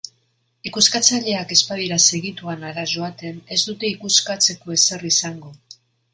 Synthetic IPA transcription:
ikuskat͡saʎe̞ake̞spað̞iɾase̞ɣit̪uanaɾaʒo̞at̪e̞ne̞zd̪ut̪e̞ikuskat͡se̞ko̞ese̞risaŋɡo̞

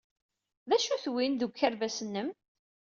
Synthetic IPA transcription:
ðæʃuθwinðuɡʷəɾvæsənːəm

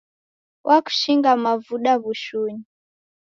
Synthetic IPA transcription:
wʔaku̥ʃiŋɡamavuɗaβuʃuɲi

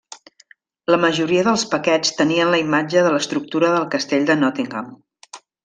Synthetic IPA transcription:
ləməʒuɾiəðəlˠspəkɛt͡st̪əniənləimad͡ʒəðələst̪ɾuk̚t̪uɾəðəlˠkəst̪eʎʲd̪ənɔt̪iŋɡam

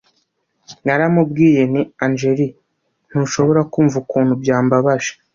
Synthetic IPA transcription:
naɾamub̚ɡiːje̞niand͡ʒe̞ɾi | n̥huʃo̞βo̞ɾakuːɱvukuːn̥ubjaːmbaβaʒe̥

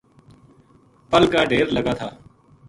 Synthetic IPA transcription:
pəlɡaːɖeːɾləɡaːt̪ʰaː

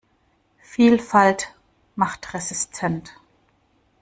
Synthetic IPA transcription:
fiːlfalt | maχtʁɛzɪstʰɛnt

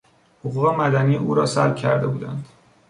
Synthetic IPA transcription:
hoɣuːɣe̞mæd̪æniːʔuːɾɒːsæ̰lbcʰæɾd̪e̞buːd̪ænd̪̥

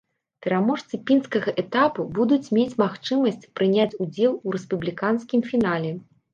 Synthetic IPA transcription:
pʲɛɾamɔʂt̪sɨpʲinskɐɣɐʔɛt̪apubud̪ut͡sʲmʲet͡sʲmaxt͡ʂɨmɐsʲt͡sʲpɾɨnʲat͡sʲud͡zʲɛlˠuɾɛspublʲikanskʲimfʲinalʲɛ

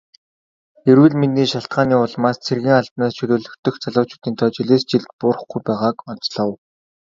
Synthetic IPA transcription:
eɾwɘ̆ɮminiːʃaɬt̪̚ɢaːniːʊɮmaːst͡sʰerɣʲiːŋaɮpnaːst͡ɕʰɵɮoːɮɵ̆xt̪ɵ̆xt͡sʰaɮʊːt͡ɕʰʊ̥ːt̪iːnt̪ʰɔːt͡ɕiɮeːst͡ɕiɮt̪̚pʊrə̆χɡujpæːʁaːkɔn̥t͡sɮə̆w

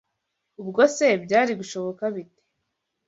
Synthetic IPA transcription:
ubɡo̞sebɟaːɾiɡuʃo̞βo̞kaβite̥

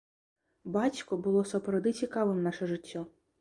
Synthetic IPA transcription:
bat͡sʲkʊbʊlˠɔsɐpɾɐwd̪ɨt͡sʲikaʋɨmnaʂɛʐɨtʲːɔ

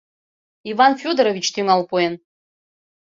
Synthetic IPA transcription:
ivanfʲod̪əɾovʲit͡ɕt̪ʰyŋalˠpojen

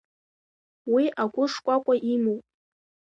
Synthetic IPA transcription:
wiʔaɡʷʊʂkʷʼakʷʼaʔimowpʼ

